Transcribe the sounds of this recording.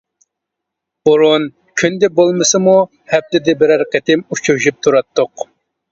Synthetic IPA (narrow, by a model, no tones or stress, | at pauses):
b̥uɾun | kʲʰynd̪ɛbolˠmɨsɨmu | hɛb̚t̪ɪd̪ɛbɪɾæɾqət̪ɪmut͡ʃʰuɾuʃyp̚t̪ʰuɾɑt̪ːʊq